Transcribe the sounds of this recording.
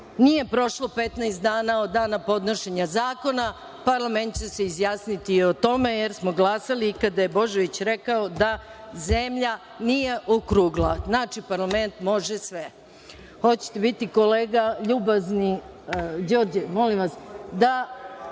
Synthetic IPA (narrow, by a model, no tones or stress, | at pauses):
nije̞pɾo̞ʃlo̞pet̪najst̪d̪aːnaod̪ːaːnapo̞d̪no̞ʃe̞ɲazaːko̞na | paɾlˠame̞nt̪̚t͡ɕe̞se̞izjaːsnit̪iːot̪o̞me̞jeɾsmo̞ɡlˠaːsalikad̪aje̞bo̞ʒeʋit͡ɕɾekaod̪aze̞mʎa | nije̞ʔokɾuːɡlˠaznaːt͡ʃipaɾlˠame̞nt̪mo̞ʒesʋe̞ | xo̞t͡ɕe̥t̪ebit̪iko̞leːɡaʎuːbazni | d͡ʑo̞ːɾd͡ʑemo̞limʋasd̪a